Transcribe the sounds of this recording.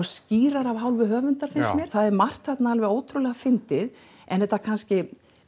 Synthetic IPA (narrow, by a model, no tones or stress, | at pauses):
sciːɾaɾavɦawlvɪɦœːvʏnt̪aɾ̥fɪnsmjɛɾ̥θaðɛɾmar̥t̪hat̪naalvɛɣoːwt̪ʰɾʏlɛɣafɪnt̪ɪð | ɛ̰nθɛht̪ːakʰanscɪ